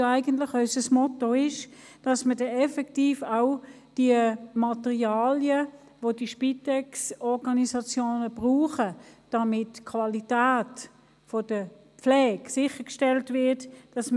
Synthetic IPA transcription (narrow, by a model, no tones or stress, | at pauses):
aɪɡəntlɪχœʏsəsmɔtoɪʃ | d̥ɑsmədɛɛfɛktiːfaʊ | d̥iəmɑtəʁiaːljə | ʋodiʃpitɛksɔʁɡɑnisɑt͡sjoːnəb̥ʁuːχəd̥ɑmɪtkʰvɑlitæːt | fɔd̥ə | pflɛːksɪχəkʃtɛltvɪɐtd̥ɑsm